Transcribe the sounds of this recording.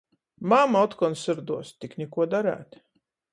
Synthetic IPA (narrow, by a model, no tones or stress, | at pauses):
mamɔt̪kɔnsɨɾd̪uɔst̪iknʲɛkuɔd̪aɾæ̰ːt̪